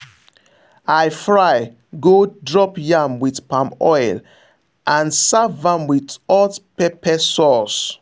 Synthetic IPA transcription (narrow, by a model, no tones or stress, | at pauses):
ajfɹaj | ɡodɹɔpjãmwidpãmɔɪl | ʔãnsavãmwidɔtpɛpɛsɔs